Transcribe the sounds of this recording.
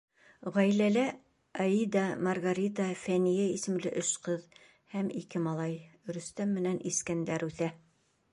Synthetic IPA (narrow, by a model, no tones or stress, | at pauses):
ʁɑjlælæ | ɑid̪ɑmɑrɡaɾʲit̪ɑfænijæisɘ̆mlɘʔɵʃqɤð | hæmikɘmɑlˠɑjɾɵ̆st̪æmːɘ̆nænʔiskænd̪æɾʉθæ